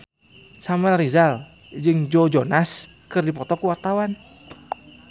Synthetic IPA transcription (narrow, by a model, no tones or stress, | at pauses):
samarizal | d͡ʒɨŋd͡ʒod͡ʒonas | kɨrdipɔt̪ɔkəwart̪awan